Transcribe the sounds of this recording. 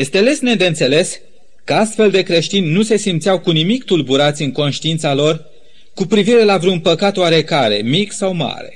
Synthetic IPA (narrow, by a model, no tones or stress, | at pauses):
jest̪eale̞sned̪eɨnt̪se̞le̞s | kəast̪fe̞ld̪e̞kɾe̞ʃt̪inʲːuse̞simt̪sijawkunimikt̪ulbuɾat̪sʲɨŋko̞nʃt̪iint̪salo̞r | kupɾiviɾe̞lavɾeunpəkat̪oaɾe̞kaɾe̞̰miksawma̰ɾe̞̰